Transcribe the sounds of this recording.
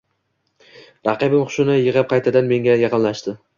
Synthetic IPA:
ɾɑqɨbɪmqʰʊ̥ʃɪnɪjɪʁɨp̚qʰɑjt̪ʰad̪anme̞ŋɡʲajɑqɨnlaʃt̪ɪ

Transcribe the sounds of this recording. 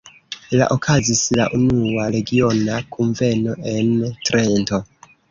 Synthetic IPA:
la̰ʔokʰazisla̰ʔunuaɾe̞ɡio̞nakʰuɱve̞no̞ʔe̞ntɾento̞

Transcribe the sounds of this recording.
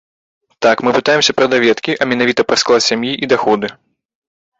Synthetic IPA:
t̪akmɨpɨt̪ajɛmsʲɐpɾɐd̪avʲɛt̪kʲiʔɐmʲɛnavʲit̪ɐpɾɐsklˠat͡sʲsʲamjiʔid̪axɔd̪ɨ

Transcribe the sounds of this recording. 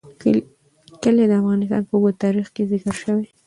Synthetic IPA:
kəled̪əafɣɑnɪs̬t̪ɑ̰npəuɡot̪ɑɾixkezɪkəɾʃəwe

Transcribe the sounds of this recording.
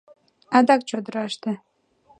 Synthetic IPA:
ɑd̪ɑk̚t͡ɕod̪əɾɑʃt̪ə̆

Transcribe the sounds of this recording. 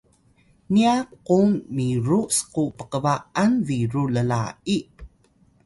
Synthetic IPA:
niakːummiɾuskupəkəvaʔanviɾuləla̰i

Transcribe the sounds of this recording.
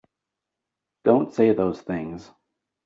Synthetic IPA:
d̥õʊ̃ntseɪðoʊz̥θɪ̃ŋz̥

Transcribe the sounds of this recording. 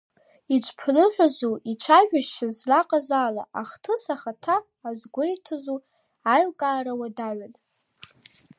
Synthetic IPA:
it͡ʃʷʰʼpʰlɨħʷᶣazuit͡ʃʷʰaʒᶣaʃt͡ʃʰazraqʼazaːla̰ʔaχtʰɨsaχatʰaː | zɡʷojtʰɨzu | ajlkʼaːɾawadaʕʷan

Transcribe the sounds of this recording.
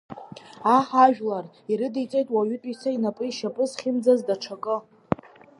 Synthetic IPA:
aħaʒᶣlar | iɾɨdijt͡sʼejtʼwaɥʏtʼisʰainapʼɨiʃapʼɨzχʲɪmd͡zazdaʈ͡ʂʰakʼɨ

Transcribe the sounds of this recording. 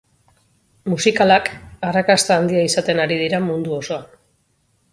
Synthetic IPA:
musikalakarakast̪aːnd̪iaisat̪e̞naɾið̞iɾamund̪uo̞so̞a

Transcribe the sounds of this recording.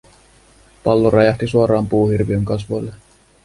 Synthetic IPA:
pɑlːoɾɑjɑht̪isuoɾɑːmpuːhirʋiøŋkɑs̬ʋolːe

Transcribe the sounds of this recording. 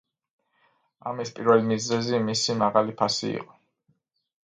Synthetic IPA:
a̰mispʼiɾvɛlimizɛzimisimaʁalipʰasḭḭqʼɔ

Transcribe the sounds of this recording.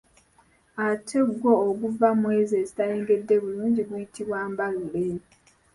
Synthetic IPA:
atʰe̞ɡwo̞ːɡuvamwe̞ːze̞ːzitaje̞ːŋɡe̞dːe̞βuluːɲɟiɡwujitiβwaːmbalule

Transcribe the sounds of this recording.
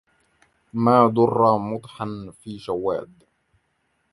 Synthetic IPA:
maːd̪ʊrˤːɑmʊt̪ˤħanfiːʃawːa̰ːd̪

